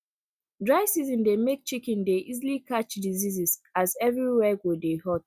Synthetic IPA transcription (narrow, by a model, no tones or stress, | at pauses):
dɹaɪsizɔ̃ndemek̚t͡ʃikɛ̃ndeʔizilikat͡ʃdizizizazɛvɹiwɛɡodehɔt